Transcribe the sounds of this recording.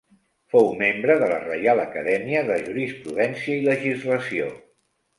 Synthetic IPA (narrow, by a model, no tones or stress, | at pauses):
fowmembɾəðələ̰rəjaləkəðɛmiəðəʒuɾispɾuðɛnsiəiləʒizləsio